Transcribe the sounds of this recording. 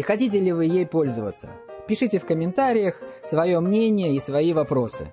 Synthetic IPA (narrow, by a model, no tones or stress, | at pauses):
xɐtʲit̬ʲɪlʲɪvɨjejpo̞lʲzəvə̰t̪sːə̰ | pʲɪʂɨtʲɪfkəmʲɪnt̪aɾʲɪjəxsvɐjo̞mnʲenʲɪjəisvɐivɐpɾo̞sɨ̰